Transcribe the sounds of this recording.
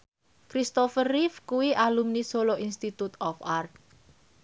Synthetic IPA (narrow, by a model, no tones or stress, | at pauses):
kɾist̪ɔfərifkuwiʔalumnisoloʔinst̪it̪ut̪ɔfart̪̚